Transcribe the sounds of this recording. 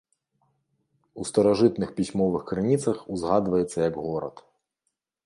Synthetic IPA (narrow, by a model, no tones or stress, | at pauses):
ust̪ɐɾaʐɨt̪nɨxpʲisʲmɔvɨxkɾɨnʲit̪sɐxuzɣad̪vɐjɛt̪sːɐjɐɡɣɔɾɐ̰t̪